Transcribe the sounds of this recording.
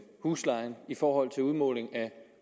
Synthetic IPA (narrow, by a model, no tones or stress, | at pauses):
huːslɑ̈ɪnifɒːɦɒ̽l̰t͡sʰe̝luð̞ˠmɔ̰̽ːle̝ŋæ